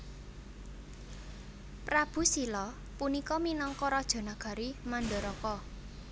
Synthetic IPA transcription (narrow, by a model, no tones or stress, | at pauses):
pɾab̥ṳsilɔ | punikɔminɔŋkɔɾɔd̥ʒ̥ɔ̤naɡ̥a̤ɾimanɖɔ̤ɾɔkɔ